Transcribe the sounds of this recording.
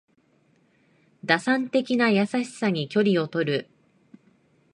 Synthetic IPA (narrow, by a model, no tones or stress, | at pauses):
d̪asãnt̪e̞kʲinajasaɕi̥saɲ̟ikʲo̞ɾʲio̞t̪o̞ɾɯ̟